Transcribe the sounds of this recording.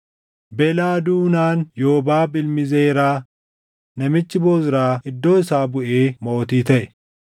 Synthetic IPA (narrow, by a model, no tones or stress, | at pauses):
bɛlaːd̪uːnaːnjoːbaːbɪlmɪzeːɾaː | nɐmɪt͡ʃːɪboːzɪɾaːɪd̪ːo̞ːɪsaːbʊʔeːmo̞ːt̪iːt̪ɐʔɛ̥